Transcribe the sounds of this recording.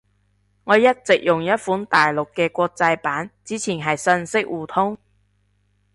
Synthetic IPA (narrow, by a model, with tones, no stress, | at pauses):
ŋɔː˨˧jɐ˥t̚t͡sɪ˨k̚jʊ˨˩ŋjɐ˥t̚fuː˨˥nt̪aː˨jlʊ˨kːɛː˧kʷɔː˧k̚t͡sɐ˧jpaː˨˥nt͡siː˨˥t͡sʰiː˨˩nɦɐ˨jsɐ˧nsɪ˥k̚wuː˨˩t̪ʰʊ˥ŋ